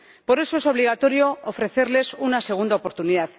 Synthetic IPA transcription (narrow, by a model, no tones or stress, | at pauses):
po̞ɾe̞so̞e̞so̞β̞liɣat̪o̞ɾjo̞ːfɾe̞θe̞ɾle̞sunase̞ɣ̞und̪aopo̞ɾt̪uniðað